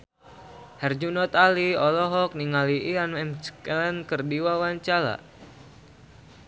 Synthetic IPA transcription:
hɛrd͡ʒunɔt̪aliɔlɔɦɔk̚niŋaliianɛmskɛlɛnkərdiwawaɲt͡ʃala̰

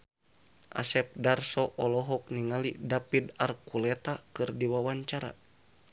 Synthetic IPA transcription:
ʔa̰sɛp̚darsɔʔɔlɔɦɔk̚niŋalidapid̪arkulɛt̪akɨrdiwawaɲt͡ʃaɾa̰

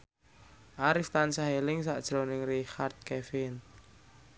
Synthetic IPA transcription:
ʔaɾɪft̪ansaɦelɪŋsaʔd̥ʒ̥ɾonɪŋrixart̪̚kefɪn

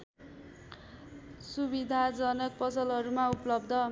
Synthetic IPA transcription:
subid̪ʱad͡zʌnʌk̚pʌsʌlɦʌɾumauplʌbd̪ʱʌ

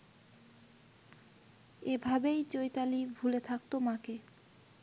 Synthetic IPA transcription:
ebʱabejt͡ɕojt̪alibʱulet̪ʰak̚t̪omãke

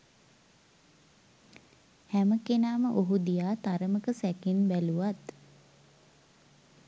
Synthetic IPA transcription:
hæməkenaːməʔoɦud̪ijaːt̪aɾəməkəsækenbæluʋat̪

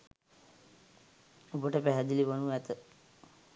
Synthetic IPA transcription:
obəʈəpæɦæd̪iliʋənuæt̪ə

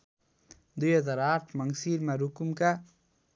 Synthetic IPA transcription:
d̪ujɦʌd͡zaɾaʈʰmʌŋsiɾmaɾukmka

